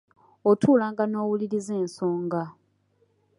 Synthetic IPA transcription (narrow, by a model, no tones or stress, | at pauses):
otʰuːlaːŋɡano̞ːwuliɾize̞ːnsoːŋɡa